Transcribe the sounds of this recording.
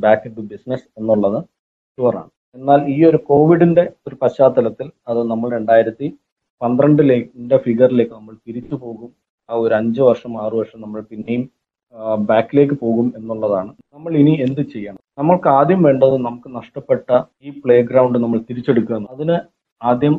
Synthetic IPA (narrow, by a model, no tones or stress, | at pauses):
baːkːiɖubisnese̞nːuɭːɐðɨ | ʈːuʋɐra̰ːɳɨ | e̞nːaːliːo̞ɾuko̞ːʋiɽinde̞o̞ɾupɐɕːaːt̪ːɐlɐt̪ːilɐðɨnɐmːɐɭɾe̞ɳɖaːjiɾɐt̪ːi | pɐnd̪rɐɳɖileːknde̞fiɣɐrile̞ːkːɨnɐmːɐɭt̪iɾit͡ɕːupo̞ːɣum | ɐo̞ɾuɐɲd͡ʑɨʋɐrʂɐmaːrɨʋɐrʂɐmnɐmːɐɭpinːe̞jum | baːkːile̞ːk̬ːɨpo̞ːɣume̞nːuɭːɐðaːɳɨnɐmːɐɭinie̞nd̪ɨt͡ɕe̞jːɐɳɐnɐmːɐɭkɨaːd̪ʱjɐmʋe̞ːɳɖɐðɨnɐmukːɨnɐʂʈɐpːe̞ʈːɐ | iːpɭeːɡrɐwɳɖɨnɐmːɐɭt̪iɾit͡ɕːe̞ɽukːuenɐðinɨ | aːd̪jɐm